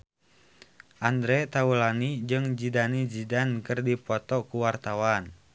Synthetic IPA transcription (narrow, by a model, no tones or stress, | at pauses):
ʔand̪ɾɛt̪aulanid͡ʒɨŋd͡ʒidanid͡ʒidankɨrdipɔt̪ɔkuwart̪awan